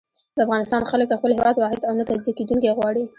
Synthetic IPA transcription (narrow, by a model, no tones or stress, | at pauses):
d̪əafɣɑnɪst̪ɑnxaləkləxpəlɦewɑd̪wɑɦɪd̪awnat̪alzaked̪uŋkajɣwɑɽi